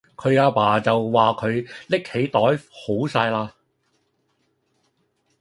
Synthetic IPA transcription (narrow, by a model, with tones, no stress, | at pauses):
kʰɵ˨˧ɥaː˧paː˨˩t͡sɐ˨wwaː˨kʰɵ˨˧ɥlɪ˥khe˨˧˥jt̪ɔː˨˥jho˨˥wsaː˧jlaː˧